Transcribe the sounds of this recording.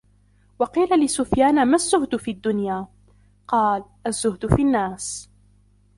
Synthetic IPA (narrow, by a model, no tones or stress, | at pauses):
wɑqiːlalɪsʊfjaːnmazːʊhd̪ʊfiːʔad̪ːʊnjaː | qɑːlʔazːʊhd̪ʊfinːaːs